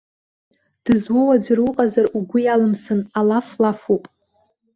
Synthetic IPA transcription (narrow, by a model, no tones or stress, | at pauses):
d̥ɨzwowad͡zarʊqʼazaruɡʷʊjalɨmsɨnalaflafupʼ